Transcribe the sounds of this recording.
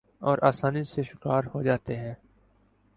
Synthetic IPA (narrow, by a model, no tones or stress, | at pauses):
ɔːɾʔaːsaːniseʃʊkaːɾhod͡ʒaːt̪eɦɛ̃ː